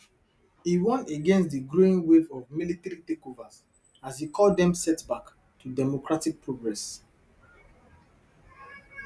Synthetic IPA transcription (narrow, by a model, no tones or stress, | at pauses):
hiwɔ̃neɡɛ̃nstdiɡɹoĩnwevɔvmilitɾitekovaz | azhikʰɔldɛ̃msɛtbak | tʰudɛmokɹatik̚pʰɹoɡɹɛs